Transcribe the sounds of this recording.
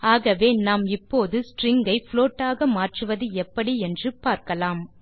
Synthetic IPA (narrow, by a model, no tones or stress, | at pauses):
aːɣɐʋeːnaːmɪpːoːðɯsʈrɪŋɡɐɪfloːʈːaːɣɐmaːʈrɯʋɐðɯɛpːɐɽiɛndrɯpaːɾkɐlaːm